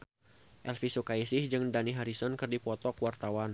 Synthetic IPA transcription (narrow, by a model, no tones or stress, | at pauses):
ʔɛlfisukaisɪhd͡ʒɨŋdaniɦaɾisɔnkɨrdipɔt̪ɔkwart̪awan